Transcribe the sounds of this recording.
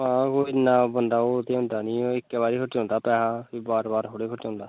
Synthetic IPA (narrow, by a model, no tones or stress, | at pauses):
ãːkoːinaːbənd̪aːoːt̪eːɦʊ̃nd̪aːnĩːoɪkːɛːbaːɾiːkʰʊʈːõːnd̪aːpɛːɦaːbaːɾbaːɾɦoɽeːkʰʊʈːõːnd̪aː